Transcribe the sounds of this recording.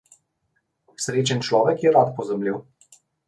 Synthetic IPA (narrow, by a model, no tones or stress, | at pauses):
sɾeːt͡ʃɛnt͡ʃlɔːʋɛkjɛɾat̪pɔzamliw